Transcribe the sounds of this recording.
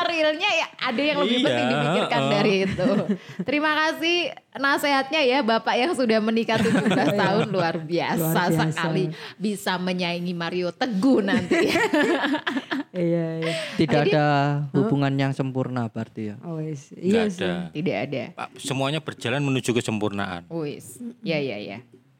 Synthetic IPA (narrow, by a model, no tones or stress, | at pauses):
ɾɪlɲajaʔadajaŋləbɪhməimirkandaɾiːt̪ut̪əɾimakasɪh | naseɦat̪̚ɲajabapaʔjaŋsudahmənikat̪uuɡaaɦʊnluarbiasasəkalibisaməɲaiŋimaɾiot̪əɡuhnant̪ija | t̪idaadahubuŋanjaŋsəmpurnabaart̪ija | dat̪idaʔa̰da̰pasəmuaɲabərd͡ʒalanmənud͡ʒukəsəmpurna̰ʔa̰nuɪsjaja̰ja̰